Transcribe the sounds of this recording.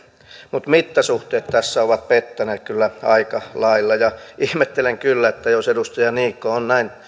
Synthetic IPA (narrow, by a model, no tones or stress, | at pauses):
mut̪mit̪ːæsuht̪eːt̪t̪æsːæoʋɑt̪̚pet̪ːæneːt̪kylːæɑikɑlɑilːɑjɑʔihmet̪ːeleŋkylːæet̪ːæjosedust̪ɑjɑniːkːoonnæin